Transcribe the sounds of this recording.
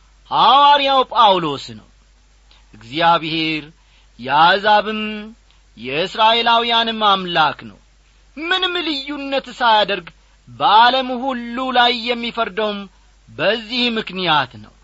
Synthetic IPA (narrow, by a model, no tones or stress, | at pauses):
hawaɾijawpʼawlo̞snə̰w | ʔɨɡzijaβhe̞ɾ | jɛazaβɨm | jɛɨsɾaʔe̞lawijanɨmːamlaknə̰w | mɨnɨmlɨjːunːət̪sajad̪əɾɡ | bəʔaləmhulːulajːɛmːifəɾd̪əwm | bəzːihmɨknijat̪nə̰w